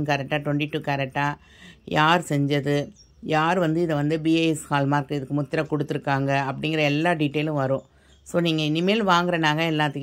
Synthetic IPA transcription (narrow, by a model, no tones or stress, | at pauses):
nkɐɾɛk̚ʈːaːʈʋɔɳʈiʈːuːkɐɾɛk̚ʈːaː | jaːɾsɛɲd͡ʒɐðɯ | jaːɾʋɐnd̪ɯɪðɐʋɐnd̪ɯbieːɛskaːlmaːɾkɯɪðɯkːɯmʊt̪ːɪɾɐkɔɽɯt̪ːɯɾɯkːaːŋɡɐɐpːɐɽɪŋɡɪɾɐɛlːaːɖɪʈːeːlʊ̃ʋɐɾʊ̃ː | soːniːŋɡɐɪnɪmeːlʋaːŋɡɪɾɐnaːɣɐɛlːaːt̪ːɯkː